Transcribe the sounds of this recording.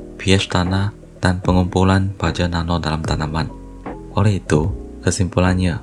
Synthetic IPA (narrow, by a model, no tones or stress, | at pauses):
piɛʃt̪anah | d̥anpəŋumpulanbad͡ʒananɔdalamt̪anaman | ʔolɛhit̪ukəsimpulanɲa